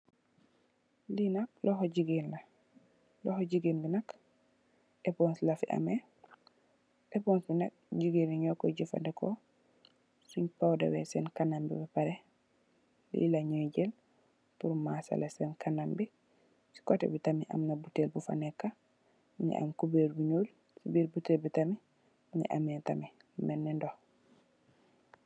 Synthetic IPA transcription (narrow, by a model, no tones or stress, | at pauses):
linak̚lɔhɔɟiɡinla | lɔhoɟiɡinbinak | ɛpɔnslafiʔa̰mɛ | ʔɛpɔnsbinak̚ɟiɡiniɲɔkɔɟifa̰ndɛkɔ | suɲpawdɛ̰wɛsɛnkanambḭbɛpaɾɛ | lḭlaɲɔd͡ʒɛl | puɾmasa̰lasɛnkanambi | si̥kɔtɛ̰bitamiʔa̰mnabutelbufa̰nɛkːa | ɲɛ̰ʔa̰mkubeɾbuɲuːl | sibiɾbutelbitami | ɲɛ̰ʔamɛtami | mɛnːindɔ